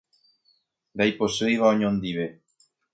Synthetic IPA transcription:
d̪ajposejβaoɲond̪iβe

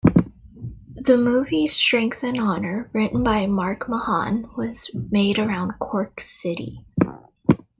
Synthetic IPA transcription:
ðɨmuvi̥stɹ̥ɛ̃ŋk̚θɨ̃nɑnə˞ɹɪʔn̩baɪmɑɹkməhɑ̰̃nwʌz̥meɪɾə˞ãʊ̃nkʰɔɹksɪɾḭ

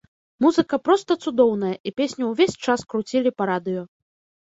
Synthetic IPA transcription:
muzɨkɐpɾɔst̪ɐt̪sud̪ɔwnɐjɐʔipʲesʲnʲɐwvʲesʲt͡ʂaskɾut͡sʲilʲipɐɾad̪ɨjɔ

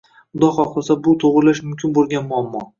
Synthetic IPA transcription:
ʊd̪ɒχɒqʰɨlˠsabʊt̪ʰoʁɾlaʃmʊmkʲʰɪnbolˠɡʲanmʊamːɒ

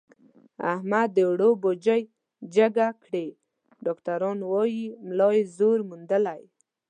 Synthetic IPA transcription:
a̰hmad̪ːəwɽobod͡ʒəj | d͡ʒəɡakɽe | ɖɔkt̪aɾɑnwɑjimlɑjezoɾmund̪əlaj

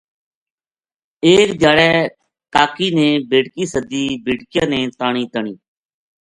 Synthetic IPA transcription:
eːkd̪ʱjaːɽɛː | kaːkiːnẽːbeːʈkiːsəd̪iːbeːʈkɪjãːnẽːt̪aːɳ̃iːt̪əɳiː

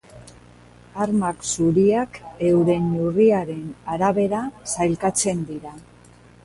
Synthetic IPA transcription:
aɾmaksuɾiake̞wɾe̞nuriaɾe̞naɾaβe̞ɾasajlkat͡se̞nd̪iɾa

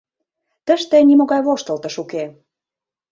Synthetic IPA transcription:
t̪ə̆ʃt̪enʲimoɣɑjβoʃt̪ə̆lt̪ə̆ʃuke

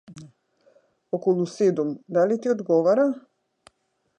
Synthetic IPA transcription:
okolˠused̪omd̪alit̪iod̪ɡoʋaɾa

